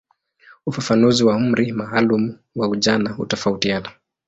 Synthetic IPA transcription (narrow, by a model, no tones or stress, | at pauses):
ufafanuziwaum̩ɾimaːlumu | wauʄanahṵtɔfautiana